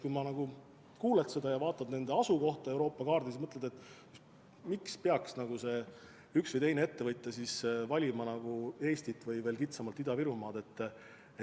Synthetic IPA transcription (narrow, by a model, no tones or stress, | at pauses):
kujmɑnɑɡ̥u | kuːle̞t̪se̞d̪̥ɑjɑvɑːt̪ːˑɑd̪̥ne̞nd̪e̞ɑsuko̞ht̪ɑe̞wɾoːpˑːɑkɑːrd̪ismɤt̪led̪̥e̞t̪ːˑjust̪ | mikspeɑksnɑɡ̥use̞ | yksvɯjt̪e̞jnee̞t̪ːe̞vɤjt̪ˑːesisvɑlʲimɑnɑɡ̥ue̞ːst̪it̪ːˑvɯjve̞ːlkit̪sɑmɑlt̪ːid̪ɑviɾumɑːd̪e̞t̪ː